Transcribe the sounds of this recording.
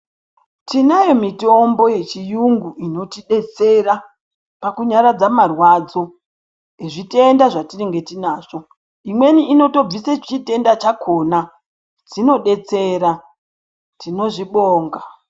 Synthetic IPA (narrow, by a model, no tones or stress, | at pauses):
tinajo̞mitombo̞je̞t͡ʃijuŋɡuino̞tiɗe̞t͡se̞ɾa | pakuɲaɾad͡zamarwad͡zo̞ | iʐitendaʐatiriŋɡe̞tinaːʐo̞ | imwe̞niʔːno̞to̞b͡viset͡ʃite̞ndat͡ʃakʰo̞na | d͡zino̞ɗe̞t͡se̞ɾa | tino̞ʐiɓoːŋɡa